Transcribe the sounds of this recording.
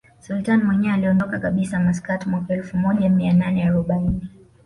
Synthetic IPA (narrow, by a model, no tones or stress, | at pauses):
sultanimwɛɲɛaaliɔndɔkakaɓisamas̬katimwakaɛlfumɔʄamiananɛaɾɔɓaini